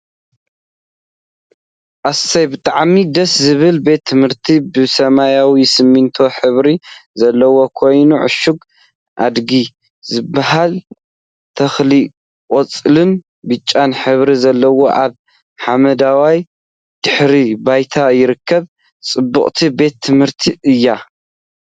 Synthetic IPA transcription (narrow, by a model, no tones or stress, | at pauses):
ʔassɐjbɨt̪ʼaʕmid̪ɐszɨβɨlbe̞t̪ʰːɨmhɨɾt̪ʰibɨsɐmajawisɨmːɨnt̪ʰo̞ħɨβɾizɐlːɐwo̞kʰo̞jnuʕʊ̰ʃuɡ | ʔa̰d̪ɡi | zɨbːaɦal | t̪ʰɐxli | kʼot͡sʼlɨn | bɨt͡ʃʼːanħɨβɾizɐlːɐwo̞ʔaβ | ħamɐd̪awaj | d̪̥ɨħɾibajt̪ʰajɪɾɨkʰːɐβ | t͡sʼɨbːɨχʼt̪ʰibe̞t̪ʰːɨmhɨɾt̪ʰiʔɨjːa